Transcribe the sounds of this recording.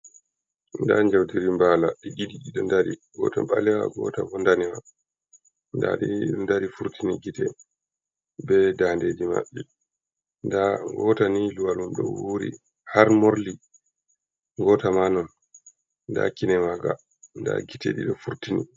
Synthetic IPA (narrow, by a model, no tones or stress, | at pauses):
nda̰ɲd͡ʒawdiɾimbalaɗiɡidiɗiɗɔndaɾiɡɔ̰taɓalɛwa̰ɡɔ̰tavɔndanɛma | nda̰ɗiɗɔndaɾifuɾtʰiniɡitɛ | bɛdanded͡ʒima̰ɓːi | ndaŋɡɔtaniluwalumɗɔ̰wuɾḭ | haɾmoɾli | ŋɡɔtamanɔn | nda̰kinɛmaɡa̰ | nda̰ɡitɛɗḭɗɔfuɾtinḭ